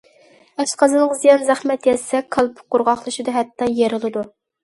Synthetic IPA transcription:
ɛʃqʰɑzɨnəʁzijɑnzæχmɛt̪jɛsɛkʰːɑlˠpʰʊ̥qʊɾʁɑχlˠɨʃid̪ɨɦɛt̪ːɑjeɾɨlˠɨd̪u

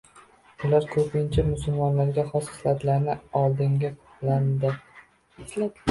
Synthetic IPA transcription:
ʊlaɾkʰɵpʰɪnt͡ʃʰamʊsʊlˠmɒnlaɾɡʲaχɒsɪ̥slad̪ɪlaɾnɪɒlˠd̪ɪŋɡʲapʰʊ̥pland̪ɪ | l

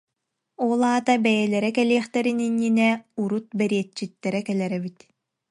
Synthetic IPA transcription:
ɔlˠaːt̪abɛjɛlɛɾɛkɛliːχt̪ɛɾininːinɛuɾut̪̚bɛɾiɛt͡ɕːit̪ːɛɾɛkɛlɛɾɛbit̪

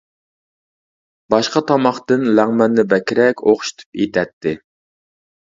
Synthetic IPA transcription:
bɑʃqɑt̪ʰɑmɑχt̪ɨnlæŋmɛnːɪbɛkʲiɾɛkʲoχʃi̥t̪ʰu̥pḭt̪ʰɛt̪ʰːɪ

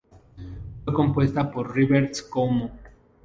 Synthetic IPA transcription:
feko̞mpwe̞st̪apoɾriβeɾt̪skomo

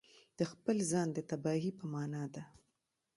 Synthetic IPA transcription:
d̪̥əxpəlzɑnd̪ət̪abɑɦipəmɑnɑd̪a

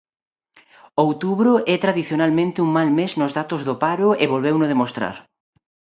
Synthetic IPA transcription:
owt̪uβɾʊʔɛt̪ɾaðiθjonalmẽnt̪ɪuŋmalmeznʊzðat̪ʊzðʊpaɾʊeβolβewnʊðemost̪ɾa̰ɾ

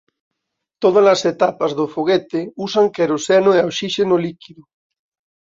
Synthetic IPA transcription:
t̪oð̞alaset̪apazðofoɣ̞et̪eusaŋkeɾosenoeawʃiʃenolikiðu

